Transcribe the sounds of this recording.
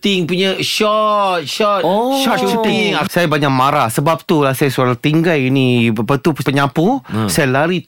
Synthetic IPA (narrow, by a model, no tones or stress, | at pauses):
t̪iŋpuɲãʃɔt̪̚ʃɔt̪ʃɔt̪iŋsajabaɲak̚maɾasəbap̚t̪ulahsajasualat̪iŋɡalinibapat̪uppəɲãpusajalaɾi